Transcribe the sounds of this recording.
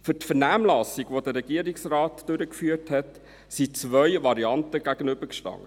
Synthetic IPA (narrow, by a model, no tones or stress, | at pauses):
fʏtfəɾnæːmlɑsiɡʋodəɾɛɡ̥iəɾiksrɑːtd̥øɾəkfyːəthɛt | sit͡sʋœʏʋɑɾiɑntəɡ̥æɡənʏbəɾkʃtɑ̰ŋə